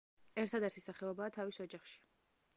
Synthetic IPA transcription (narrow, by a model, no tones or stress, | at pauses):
ɛɾt̪ʰad̪ɛɾt̪ʰisaχɛɔbaːt̪ʰavisɔd͡ʒaχʃi̥